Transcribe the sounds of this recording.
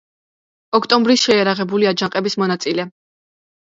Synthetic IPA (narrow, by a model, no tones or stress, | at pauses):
ɔkʰt̪ʼɔmbɾisʃɛaɾaʁɛbuliad͡ʒaqʼɛbismɔnat̪sʼilɛ